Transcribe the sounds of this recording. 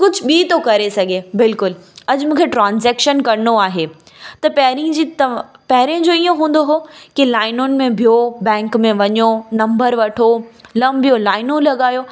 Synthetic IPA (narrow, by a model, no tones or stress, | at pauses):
kʊd͡ʑʱʊɓiːt̪okɐɾesɐɡʱebɪlkʊlɐʄmũːkʰeʈɾãːnzɛːkʃənkɐɾnoaːɦe | t̪ɐpɐɦɾĩd͡ʑit̪pɐɦɪɾijʊ̃d͡ʑoːijõɦũːn̆d̪oɦokilaːɪnʊnɪ̆mẽbʱijobɛ̃ːŋkmẽʋɐɲonɐ̃mbəɾʋɐʈʰolɐmbʱijolaːɪnõlɐɠaːjo